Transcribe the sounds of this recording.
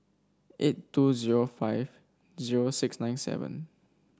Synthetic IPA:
ʔetːuziɹofaɪjv | ziɹosɪksnãj̃nsɛ̰və̰̃n

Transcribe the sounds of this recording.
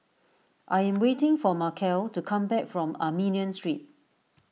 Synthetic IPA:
ʔajɛ̃mwetɪ̃ŋfɔmakʰɛltukʰãmbɛk̚fɹɔ̃mamĩniə̃nstɹit̚

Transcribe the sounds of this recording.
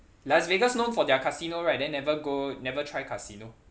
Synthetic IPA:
lasveɡəsnõnfɔdɛakʰasinoɹaɪt̚dɛ̃nːɛvəɡonɛvətʰɹajkʰasino

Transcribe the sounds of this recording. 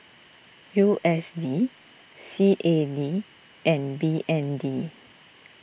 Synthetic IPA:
juʔɛsdi | siʔedi | ʔɛ̃nbiʔɛ̃ndi

